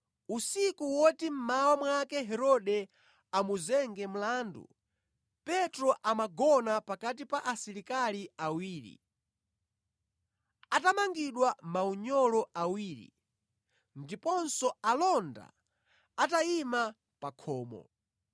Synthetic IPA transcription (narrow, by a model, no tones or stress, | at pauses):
usikuwɔtim̩mawamwakɛɦɛɾɔɗɛ | amuzɛŋɡɛm̩laːndṵ | pɛtɾɔʔamaɡɔnapakat̬ipaʔasiɾikaliawiːɾḭ | atamaŋɡiɗwamauɲɔlɔʔawiːɾḭ | ndipɔnsɔalɔnda̰ | ataima | pakʰɔːmɔ̰